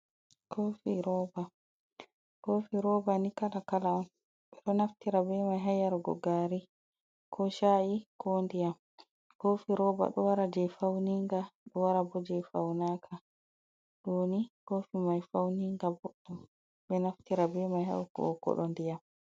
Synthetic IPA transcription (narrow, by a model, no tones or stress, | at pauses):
kʰoːfiɾɔba | kofiɾɔbanikalakalaɔn | ɓɛɗɔnaftiɾabɛmajɦajaɾɡɔ̰ɡaːɾi | kʰɔʃaikɔndijam | kofiɾɔːba̰ɗɔwaɾad͡ʒɛfawniŋɡaɗɔwaɾabɔd͡ʒɛfawnaːkʰa | ɗoːnikoːfimajfawniŋɡabɔɗːum | ɓɛnaftiɾabɛmajha̰wkɔ̰kɔ̰ɗɔndijam